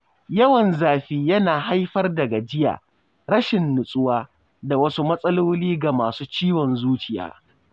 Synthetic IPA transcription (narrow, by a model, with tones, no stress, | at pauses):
jɐ˦wɐ˨nzaː˨ɸiː˦jɐ˦naː˨ɦa˦jɸɐ˦rdɐ˨ɡa˨d͡ʒɪ˦ja̰ː˨ | ɽɐ˦ʃɪ˨nːʊ˨sʼʊ˦waː˦ | da˨wɐ˦su˦mɐ˦sʼɐ˦loː˦liː˦ɡa˨maː˨suː˦t͡ʃiː˦wɔ˨nzuː˦t͡ʃɪ˨ja̰ː˨˦